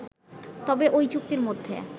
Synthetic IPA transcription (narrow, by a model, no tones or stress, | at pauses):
t̪ɔbeʔojt͡ɕuk̚t̪iɾmod̪ʱːḛ